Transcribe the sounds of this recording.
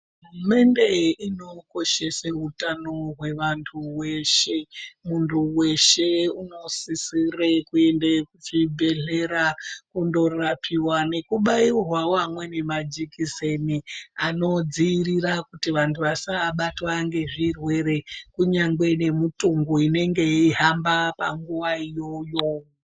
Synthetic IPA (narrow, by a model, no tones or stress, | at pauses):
ume̞nde̞ino̞ko̞ʃe̞saɦutano̞ɦwe̞ʋantʰuweʃe̞muntʰuwe̞ʃe̞uno̞sisirekue̞ndekut͡ʃibʱe̞ɮe̞ɾakundo̞rapʰiwane̞kuɓairwawamwe̞ne̞mad͡ʒikiseniano̞d͡ziːrirakutiʋantʰuʋasaɓatwaŋɡe̞ʐirwe̞ɾe̞kuɲaŋɡe̞ne̞mutuŋɡuine̞ŋɡe̞iɦambapa̰ŋɡuʋaijo̞joːwo